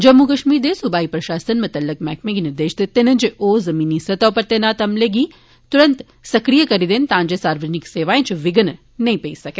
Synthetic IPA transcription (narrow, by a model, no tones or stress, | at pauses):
d͡ʒɐmːukɐʃmiːɾd̪esubaːipɾɐʃaːsənmɐt̪ɐlːəkmɛkʰmẽɡinɪɾd̪eːʃt̪et̪enə̃d͡ʒeʔozɐmiːnisɐt̪aʋpɐɾt̪enat̪ɐmleɡi | t̪uɾənt̪ | sɐkɾijəkɐɾid̪ent̪ãːnd͡ʒesaːɾʋəd͡ʒənikseːʋaːẽt͡ʃʰʋɪɡən | nɐĩpeisɐke